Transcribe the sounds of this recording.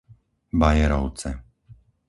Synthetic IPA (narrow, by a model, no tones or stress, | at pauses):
bajɛɾɔʊt͡sɛ